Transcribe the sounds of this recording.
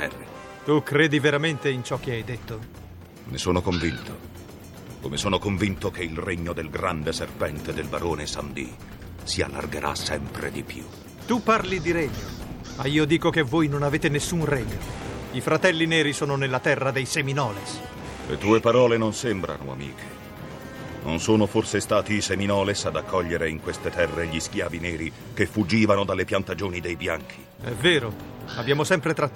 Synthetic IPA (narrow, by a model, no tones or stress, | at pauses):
ɛ̰rːḭ | t̪ukɾeːd̪iveɾament̪eint͡ʃɔk̟ːeajd̪et̪ːo | mesoːnokoɱvint̪ʰo | komesoːnokoɱvint̪okeilreɲːod̪elɡɾand̪eserpɛnt̪ed̪elbaɾoːnesa̰md̪ḭ | sia̰lːa̰rɡeɾʔa̰sɛmpɾḛd̪ipjṵ | t̪upːarlid̪iɾɛɲːo | maiːod̪iːkokevːoːjnonaveːt̪enesːunrɛɲːoifɾat̪ɛlːineːɾisoːnonelːat̪ɛrːad̪ejseminɔːles | lḛt̪uːepaɾɔːlenonsembɾa̰no̰a̰mḭːkʰe̥ | no̰nsoːnoforsest̪aːt̪iːseminɔːlesad̪akʰːɔʎːeɾeiŋkwest̪et̪ɛrːeʎisk̟jaːvineːɾi | kefːud͡ʒːiːvanod̪alːepjant̪ad͡ʒoːnid̪ejbjaŋkʰi̥ | ɛveːɾo | abjaːmosɛmpɾet̪ɾa